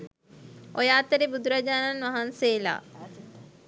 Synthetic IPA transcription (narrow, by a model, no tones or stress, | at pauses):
ojaːt̪əɾebud̪uɾad͡ʒaːnanʋaɦanseːla̰ː